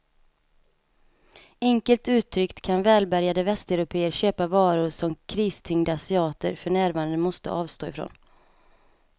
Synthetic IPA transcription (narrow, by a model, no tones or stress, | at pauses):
ɛŋkəlt̪ʉ̟ːt̪ʰːɾʏkt̪kʰanvɛːlbæɾjad̪əvɛst̪ɛʊɾʊpʰeːəɾɕøːpavɑːɾʊsɔmkʰɾiːst̪ʰʏŋd̪aasɪɑːt̪ə̰ɾfœɳæːɾvaːnd̪əmɔst̪ə̰ʔɑːvst̪oːɪfɾo̰ːn